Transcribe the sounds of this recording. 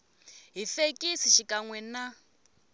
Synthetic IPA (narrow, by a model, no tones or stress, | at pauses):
ɦifekʼisiʃikʼaŋwɛna